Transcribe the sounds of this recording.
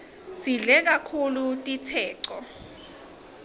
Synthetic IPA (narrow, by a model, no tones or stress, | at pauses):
siɮɛk̬akʰulutʼitʰɛːǀɔ